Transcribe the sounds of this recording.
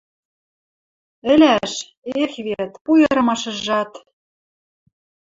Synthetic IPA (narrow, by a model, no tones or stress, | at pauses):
ɘ̆lʲæʃ | exβeɾt̪pujɤ̆ɾɤ̆mɑʃɤ̆ʒɑt̪